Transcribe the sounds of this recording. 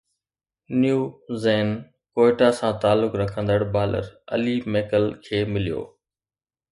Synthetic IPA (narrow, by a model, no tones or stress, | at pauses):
njuːzeːn | koːɪʈasãt̪aːlːʊkɾɐkʰə̃nd̪əɽbaːlə̰ɾɐ̰limeːkəlkʰeːmɪlijo̰ː